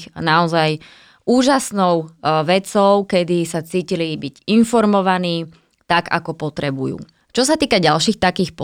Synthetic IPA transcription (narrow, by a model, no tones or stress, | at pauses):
xnaɔzaj | uːʒasnɔʊʋɛt͡sɔʊkɛd̪isat͡siːcilibiɟinfɔɾmɔʋaniː | t̪aɡa̰kɔpɔt̪ɾɛbujṵː | t͡ʃɔsat̪iːkaɟalʃiːxt̪akiːxp